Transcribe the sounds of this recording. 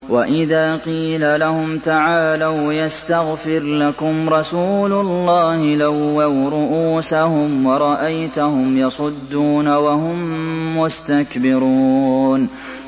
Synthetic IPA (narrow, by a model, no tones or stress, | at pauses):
waʔɪðaːqiːlalahʊmt̪aʕaːlawjast̪aɣfɪɾlakʊmɾˤɑsuːlʊlˤːɑːhɪlawːawɾʊʔuːsahʊmwɑɾˤɑʔajt̪ʊhʊmjɑsˤʊd̪ːuːnawahʊmːʊst̪akbɪɾuːn